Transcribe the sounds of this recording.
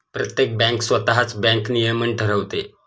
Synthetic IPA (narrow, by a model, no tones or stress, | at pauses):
pɾət̪jek̚bɛ̃ŋksʋət̪aɦat͡sbɛ̃ŋknijəməɳʈʰəɾəʋt̪e